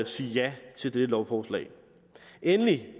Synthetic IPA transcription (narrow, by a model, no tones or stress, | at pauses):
siːjæt͡sʰe̝ld̥edəlɒʊfɒːslɛ̰ɪ | ʔenli